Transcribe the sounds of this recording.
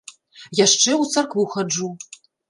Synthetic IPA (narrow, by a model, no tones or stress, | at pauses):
jaʂt͡ʂɛwt̪sarkvuxad͡ʐu